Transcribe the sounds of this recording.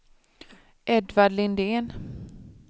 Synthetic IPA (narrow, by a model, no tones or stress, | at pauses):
ʔɛd̪vaɖlɪnd̪eːn